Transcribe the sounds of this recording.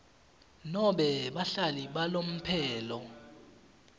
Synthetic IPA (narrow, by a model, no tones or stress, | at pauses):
nɔɓɛɓaɬaliɓalom̩pʰɛːlɔ